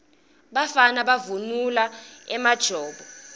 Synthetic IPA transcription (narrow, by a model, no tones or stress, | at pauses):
ɓafanaɓavunulaɛmad̥ʒ̥ʱɔːɓɔ